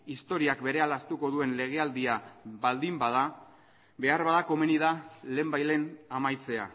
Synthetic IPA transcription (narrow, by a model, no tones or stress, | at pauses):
ist̪o̞ɾiakbe̞ɾe̞alast̪uko̞ð̞ue̞nle̞ɣ̞e̞ald̪iaβald̪imbað̞a | be̞aɾβaðako̞meniðale̞ːmbajle̞namajt͡se̞a̰